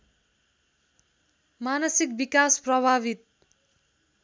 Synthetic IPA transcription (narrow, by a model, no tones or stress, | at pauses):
manʌsik̚bikasprʌbʱaβit̪̚